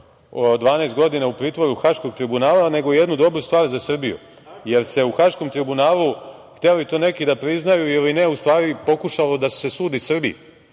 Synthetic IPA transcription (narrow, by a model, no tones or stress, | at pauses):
od̪ʋaːnaest̪ɡo̞d̪inaupɾiːt̪ʋo̞ɾuxaʃko̞ɡ̚t̪ɾibunaːlane̞ɡojed̪nud̪o̞bɾust̪ʋaːɾzasr̩bijṵ | je̞ɾse̞uxaʃkomt̪ɾibunaːlˠuxt̪eloit̪o̞ːne̞kid̪apɾiznajuilineust̪ʋaːɾipo̞kuʃalo̞d̪ase̞suːd̪isr̩bḭ